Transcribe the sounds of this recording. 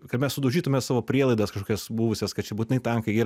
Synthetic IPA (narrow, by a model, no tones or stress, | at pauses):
kɐmʲɛssʊd̪ɐʊʒʲiːt̪ʊmʲɛsɑːʋoːpʲɾʲiɛlˠɐɪd̪ɐskɐʃkoːkʲɛsbuːʋʊsʲeskɐt̪t͡ʃʲɛbuːt̪ʲɪnɐɪt̪ʲɛŋkɐɪiːɾ